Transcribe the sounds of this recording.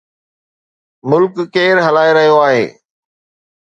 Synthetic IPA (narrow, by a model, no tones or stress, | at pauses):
mʊlkːeːɾɦɐlaːeɾɐɦijoaːɦḛː